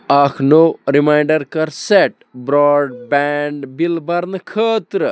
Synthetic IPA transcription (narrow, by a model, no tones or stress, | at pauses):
ɐkʰnoɾimajɳɖɐɾkɐɾseʈ | bɾɔɖbɛɳɖbilbɐɾnɐkʰəːt̪ɾə